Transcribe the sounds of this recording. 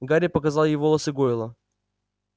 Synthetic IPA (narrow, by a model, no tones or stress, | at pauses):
ɡaɾʲɪpəkɐzɑlˠjɪvolˠəsɨɡoɪlˠə